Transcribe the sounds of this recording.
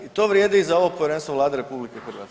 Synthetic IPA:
it̪o̞ːʋɾjed̪ɛizao̞ʋopo̞ʋjeɾenst̪ʋoʋlˠaːd̪eɾe̞publikexr̩ʋaːt̪

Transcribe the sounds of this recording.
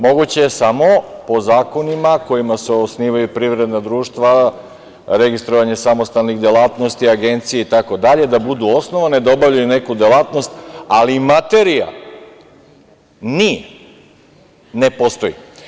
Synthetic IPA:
mo̞ɡut͡ɕejesamo̞po̞zaːko̞nimako̞jimaseosniːʋajupɾiʋɾed̪nad̪ɾuːʃt̪ʋa | ɾe̞ɡist̪ɾoʋaɲe̞samo̞st̪alniɣd̪elˠaːt̪no̞st̪iaɡe̞nt̪sijeit̪ako̞d̪aʎe̞d̪abud̪uo̞snoʋaned̪aobavʎajune̞kud̪elˠat̪no̞st̪alimat̪eɾija̰ | ni | nepost̪o̞jḭ

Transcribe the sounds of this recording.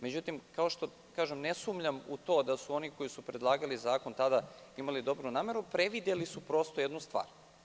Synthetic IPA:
me̞d͡ʑut̪imkaoʃt̪o̞ | kaːʒemnesumʎamut̪o̞ːd̪asuo̞niko̞jisupɾe̞d̪lˠaːɡalizaːko̞nt̪ad̪a | imalid̪o̞bɾunaːme̞ɾupɾeʋid̪je̞lisupɾo̞st̪o̞jed̪nust̪ʋa̰ːɾ

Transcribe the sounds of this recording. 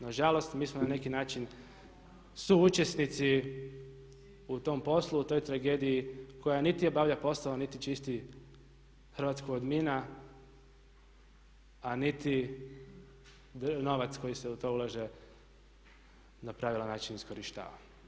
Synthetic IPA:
naʒalo̞st̪miːsmonane̞kinaːt͡ʃin | suut͡ʃe̞snit̪si | ut̪o̞mpo̞slˠuut̪o̞jt̪ɾaɡe̞d̪ijiko̞janit̪io̞baʋʎapo̞saonit̪it͡ʃist̪i | xɾ̩ʋaːt̪skoɡod̪mina | anit̪i | no̞ʋat̪sko̞jise̞ut̪o̞ulˠaʒe̞ | napɾaʋilanaːt͡ʃinisko̞ɾiʃt̪a̰ːʋa̰

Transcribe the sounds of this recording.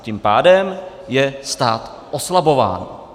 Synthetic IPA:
cimpaːdɛm | jɛst̪aːt̪ | ʔoslabo̞va̰ːn

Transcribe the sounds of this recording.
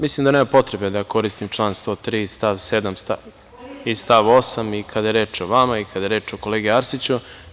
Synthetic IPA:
mislˠimd̪aneːmapo̞t̪ɾebe̞d̪ako̞ɾist̪imt͡ʃlˠaːnst̪o̞t̪ɾist̪aʋsed̪amst̪a | ist̪aʋosamikʰad̪ajeɾe̞ːt͡ʂoʋamaikʰad̪ajeɾe̞ːt͡ʂoko̞leːɡeaɾsit͡ɕu

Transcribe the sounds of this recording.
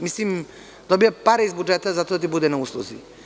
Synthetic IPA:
mislim | d̪ɔbijapaɾɛizbud͡ʒɛt̪azat̪od̪at̪̬ibud̪ɛnauslˠo̰zi

